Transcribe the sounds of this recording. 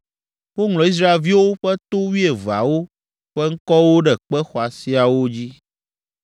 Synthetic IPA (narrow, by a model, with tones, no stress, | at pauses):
wo˦ŋlɔ˨i˦s̬ɾa˦e˨lvi˦wo˦ɸɛ˦t̪o˦wi˦e˨va̰˨wo˦ | ɸɛ˦ŋ̩˦kɔ˦wo˦ɖɛ˨k͡pɛ˦xɔ˨a˨si˦a˨wo˦d͡ʑi˦